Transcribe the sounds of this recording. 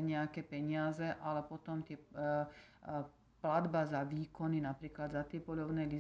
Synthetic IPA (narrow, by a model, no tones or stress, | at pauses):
ɲɛakɛpɛɲɪazɛʔalɛpɔt̪ɔmt̪ɪɛ | plad̪bazaʋiːkɔninapɾiːklad̪zat̪ɪɛpɔʎɔʊnɛjli